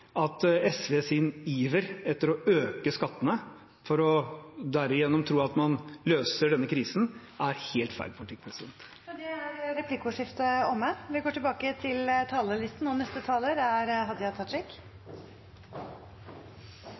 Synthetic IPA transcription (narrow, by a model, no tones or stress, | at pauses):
ɑt̪ɛsʋeːsɪniːʋəɾɛt̪ːəɾɔʔøːkəskɑt̪ːənə | fɔɾɔd̪æɾɪjɛnːɔmt̪ʰɾuːɑt̪mɑnløːsəɖɛnːəkʰɾiːsn̩ | æɾheːlt̪fæ̰ɪɖ̪̚pʰʊlɪt̪ɪk̚ːpʰɾɛsɪd̪ɛnt̪ | d̪ɛæɾɾɛpʰlɪkʊʂɪft̪əɔmːəʋɪɡoːʈɪlbɑːkət̪ʰɪlt̪ʰɑːləlɪst̪n̩ːonɛst̪ət̪ʰɑːləɾæɾɦɑd̪jɑt̪ʰɑt̪ɾɪk